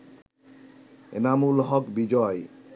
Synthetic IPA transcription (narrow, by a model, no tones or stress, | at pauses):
ḛnamulɦɔkbid͡ʑɔe